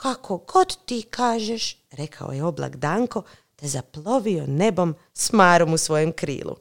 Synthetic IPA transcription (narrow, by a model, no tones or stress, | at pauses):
kakʰo̞ɡo̞d̪t̪iːkaːʒeʃ | ɾe̞kʰa̰o̰jeo̞bla̰ɡd̪aːŋko̞ | d̪̥azaplˠo̞ʋio̞ne̞bo̞m | smaːɾo̞musʋo̞jemkɾḭːlˠṵ